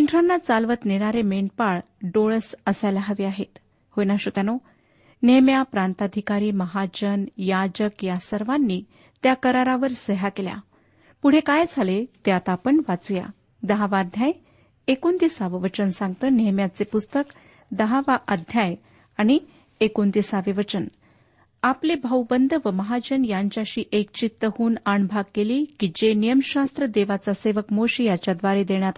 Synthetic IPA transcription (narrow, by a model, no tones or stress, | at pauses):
t͡ɕiɳʈʰɾanːat͡salʋət̪neɽ̃aɾemeɳʈ̚paɭ | ɖoɭəsəsajlaɦəʋiaɦet̪ | hojnaɕot̪jano | nemjapɾant̪ad̪ʱikaɾiːməɦad͡ʑənjad͡ʑəkjasəɾʋanːiː | t̪jakəɾaɾaʋəɾsəɦakelja̰ | puɽ̤ekajd͡zʱalet̪jat̪apəɳʋat͡suja̰ | d̪əɦaʋad̪ʱjaj | ekont̪isaʋiʋət͡ɕənsãŋɡ̚t̪əːneɦmjat͡sepust̪ək | d̪əɦaʋaʔəd̪ʱjaj | aɽ̃i | ekont̪isaʋiʋət͡ɕən | aplebʱəwbənd̪ʱʋəməɦad͡ʑənjaɲt͡ɕjaɕiːʔek̚t͡ɕit̪ːəhuːnaɳbʱaɡ̚kːeliːkid͡ʑenijəmɕast̪ɾəd̪eʋat͡saseʋəkmoɕijat͡ɕjad̪ʋaɾed̪eɳ̃jat̪